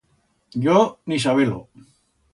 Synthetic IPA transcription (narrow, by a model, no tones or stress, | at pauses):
jonis̬aβelo̰